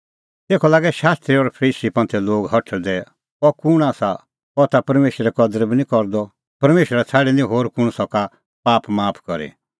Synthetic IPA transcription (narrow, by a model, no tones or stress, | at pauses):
t̪eːkʰɔlaːɡɛʃaːst̪ɾiɔɾpʰɐɾiːsipɐ̃nt̪ʰɛloːɡɦɐʈʰəd̪ɛ | ɔkʊɽ̃aːsa | ɔt̪apɐɾmeːʃɾɛkɔd̪əɾbinĩkɔɾd̪ɔ | pɐɾmeːʃəɾat͡sʰaːɽɛnĩɦoːɾkʊɽ̃sɔka | paːpmaːpʰkɔɾḭ